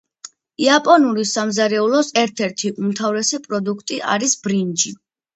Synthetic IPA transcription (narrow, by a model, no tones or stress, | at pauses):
iapʼɔnuɾisamzaɾɛulˠɔsɛɾt̪ʰɛɾt̪ʰiʔumt̪ʰavɾɛsɛpʼɾɔd̪ukʰt̪ʼiʔa̰ɾisbɾind͡ʒi